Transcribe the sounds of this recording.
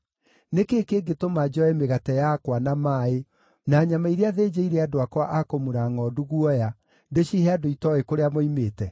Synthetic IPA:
nekeːkeːɡetomad͡ʒɔɛmeɣatɛjakwanamae | naːɲamaiɾeaðeːd͡ʑeiɾɛadoakwaʔakomuɾaŋɔduɣwɔja | deɕihɛadoitɔekoɾeamoimeːtɛ

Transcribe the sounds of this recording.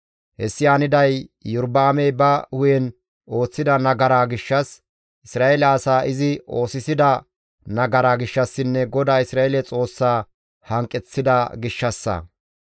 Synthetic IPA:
hɛ̰sːɪjaːnɪd̪ɐjjʊɾbaːmɛjbɐhʊjɛn | ʔo̞ːt͡sːɪd̪ɐnɐɡɐɾaːɡɪʃːɐs | ʔɪsɾaːɛlɛɐsaːʔɪzɪo̞ːsɪsɪd̪ɐ | nɐɡɐɾaːɡɪʃːɐsːɪnːɛɡɔd̪aːɪsɾaːɛlɛt͡sʼo̞ːsːaː | hɐŋkʼːɛt͡sːɪd̪ɐɡɪʃːɐsːɐ̰

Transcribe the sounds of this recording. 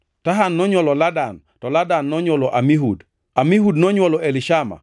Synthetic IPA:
taɦanːɔɲwɔlɔladan | tɔladanːɔɲwɔlɔʔamiɦud | amiɦudnɔɲwɔlɔʔelɪʃama̰

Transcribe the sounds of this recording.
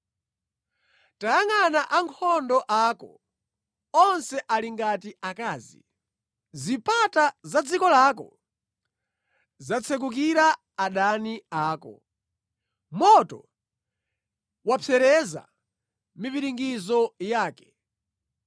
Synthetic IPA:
tajaŋanaʔaŋkʰɔndɔʔakɔ̰ | ɔnsɛʔaliŋɡatiakaːzḭ | zipatazad͡zikɔlaːkɔ̰ | zat͡sʰɛk̬uk̬iɾa | aɗaniaːkɔ̰ | mɔtɔ̰ | wapʰɛɾɛza̰ | miviɾiŋɡizɔjaːkɛ̥

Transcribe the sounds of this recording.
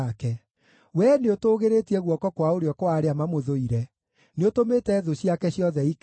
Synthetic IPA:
kɛ | wɛneotoːɣeɾetiɛɣwɔkɔkwaoɾeɔkwaɾeamamoðoiɾɛ | neotometɛːðoɕiakɛɕjɔðɛik

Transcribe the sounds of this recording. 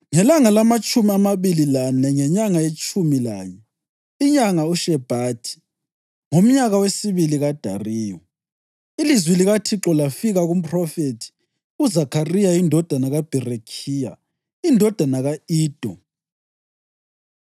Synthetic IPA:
ŋɛlaŋalamat͡ʃʼumiamaβililanɛŋɛɲaŋajet͡ʃʼumila̰ɲɛ | iɲaŋauʃɛb̥ʱaːtʰi̥ | ŋom̩ɲaɣawesiβiliɣad̥ʱa̰riːjɔ | ilizwiliɣatʰiǁɔlafiɣaɣum̩pʰʼrɔfetʰi̥ | uzakʰarijaindʱɔd̥ʱanaɣab̥ʱɛrekʰiːja̰ | indʱɔd̥ʱanaɣaiːd̥ʱɔ

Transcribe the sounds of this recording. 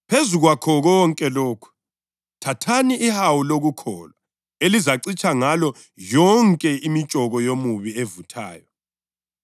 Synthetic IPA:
pʰezuɣwakʰɔɣɔŋkʼɛloːkʰu̥ | tʰatʰaniʔːhawuloɣukʰɔ̰ːlwa | elizaǀit͡ʃʼaŋalɔ | jɔŋkʼɛimit͡ʃʼɔɣɔjomuβievutʰa̰ːjɔ

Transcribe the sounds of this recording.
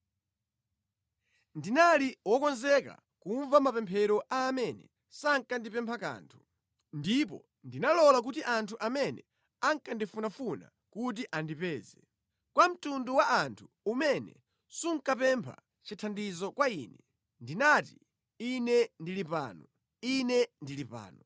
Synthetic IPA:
ndinaliwɔkɔnzɛka̰ | kuɱvamapɛmpʰɛɾɔʔaːmɛnɛ̰ | saŋkandipɛmpʰaka̰ːntʰu̥ | ndipɔ̰ | ndinalɔlak̬utiʔantʰuʔamɛnɛ | aŋkandifunafuna̰ | kut̬iʔandipɛːzɛ | kwam̩tunduwaantʰu̥ | umɛnɛ̰ | suŋ̩kapɛmpʰa̰ | t͡ʃitʰandizɔkwaiːnɛ | ndinat̬i | inɛndilipa̰ːnɔ | inɛndilipa̰ːnɔ

